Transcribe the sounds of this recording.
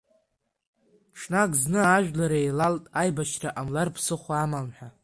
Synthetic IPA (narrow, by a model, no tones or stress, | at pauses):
ʈ͡ʂʰnakʼznɨaʒᶣlaɾaejlaltʼajbaʃraʔamlarpʰsɨχʷamamħʷᶣa